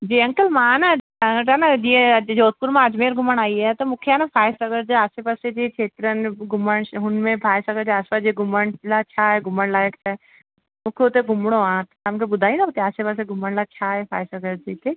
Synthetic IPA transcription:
d͡ʒiːɐ̃ŋkəlmãːna | ãɡʈanɐd͡ʒiẽd͡ʒoːt̪̚pʊɾmãəd͡ʒmeːɾɡʱʊməɳaːiɛt̪omʊkʰeanapʰaːjɪsɐɡəɾd͡ʒeaːsepased͡ʒit͡ʃʰeːt̪ɾənɡʱʊməɳɦʊnmẽpʰaːsɐɡəɾd͡ʒeaːspad͡ʒieɡʱʊməɳlat͡ʃʰaɛɡʱʊməɳlaekt͡ʃʰaɛ | mʊkʰeut̪eɡʱʊmɽ̃oãːt̪ɐmkebʊd̪ʱaːinabɐt̪eaːsepaseɡʱʊməɳlat͡ʃʰaːɦɛpʰaːjsɐɡəɾd͡ʒiːt̪eː

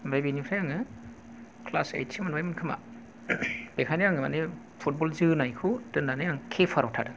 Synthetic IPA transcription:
bajbinipʰɾajaŋɯ | kʰlasḛjtsimɯnbajmɯnkʰɯma̰ | b̥ekʰanijaŋɯma̰ni | pʰut̚bɔlzɯnajkʰudɯndanɯjaŋkʰepʰaɾɔtʰadɯ

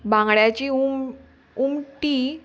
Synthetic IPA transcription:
bãŋɡɭjat͡ɕium | umʈi

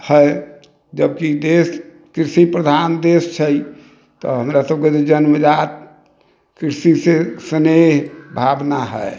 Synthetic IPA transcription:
həe | d͡ʒəbkid̪es | kɾisipɾəd̪ʱand̪est͡ʃʰəj | t̪ɔ̰ɦəmɾasəb̚ked͡ʒ̪ed͡ʒənməd͡ʒat̪ | kɾisisesəneɦbʱabnaɦə̰e

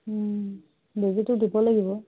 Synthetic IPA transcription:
bezitʊdibɔlaɡibɔ

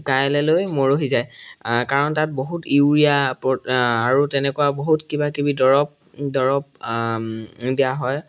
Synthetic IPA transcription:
kajlɛlojmoɹoɦizajkaɹɔntat̚boɦutiɹijapɔaɹutɛnɛkʊwaboɦutkibakibidɔɹɔp̚ | dɔɹɔp̚ | dijaɦɔj

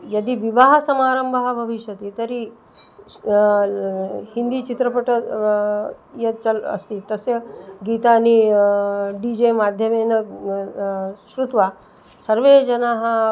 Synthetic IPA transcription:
jɐd̪iʋiʋaɦɐsɐmaɾəmbʱəɦɐbʱɐʋiɕjɐt̪et̪əɾi | hind̪iːt͡ʃit̪ɾəpəʈə | jet͡ʃələ̰st̪it̪əseɡit̪ani | ɖid͡ʑemad̪ʱjəmenɐ | ʃɾut̪ʋa | səɾʋed͡ʑɐnaɦə

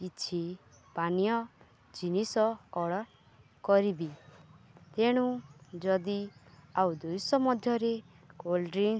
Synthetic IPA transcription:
kit͡ʃʰi | panijɔ | d͡ʒinisɔɔɽɔ | kɔɾibi | t̪eɽ̃ũd͡ʒɔd̪iawd̪ujsɔmɔd̪ʱjɔɾe | olɖɾin

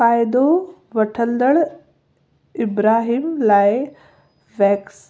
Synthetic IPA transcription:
aːjd̪o | ʋɐʈʰə̃nd̪əɭ | ɪbɾaːɦiːmlaːɪ | ʋɛːks

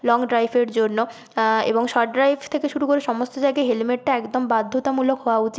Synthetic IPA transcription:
lɔŋɖɾajbʰeɾd͡ʑonːo | ḛboŋʃɔʈɖɾajbt̪ʰekeʃuɾukoɾeʃɔmost̪od͡ʑajɡaɦelimeʈʈaɛkd̪ombad̪ʱːot̪amulokɦɔwaut͡ɕi

